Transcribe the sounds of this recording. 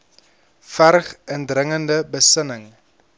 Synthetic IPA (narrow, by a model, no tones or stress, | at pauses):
færχəndrəŋəndəbəsənəŋ